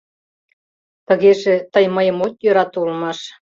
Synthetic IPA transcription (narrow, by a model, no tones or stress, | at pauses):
t̪ə̆ɣeʒet̪əjməjə̆mot̪jøɾɑt̪ulmɑʃ